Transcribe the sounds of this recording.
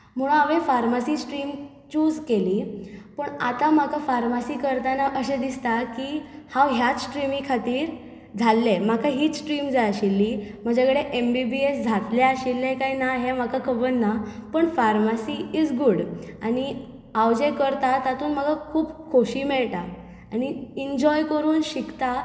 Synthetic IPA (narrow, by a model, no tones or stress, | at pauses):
m̤əɭ̃ũaʋẽfaɾmasisʈɾiːm | t͡ɕuːd͡zkeliːpəɳat̪am̤akafaɾmasiːkəɾt̪anaʔəɕẽd̪ist̪akiːhãwɦjat͡ssʈɾimikʰat̪iːɾ | d͡zʱalːemakʰaɦiːt͡ssʈɾiːmd͡zajaɕilːim̤əd͡ʑakɽeʔembibiesd͡zʱat̪leaɕilːekaɦinaɦemakʰakʰəbənːapəɳfaɾmasiid͡zɡuɽaɽ̃i | awd͡ʑekəɾt̪at̪at̪uːnm̤əɡakʰuːbkʰoɕiːmɛɭt̪a | añiiɲd͡ʑɔjkəɾuːnɕikt̪a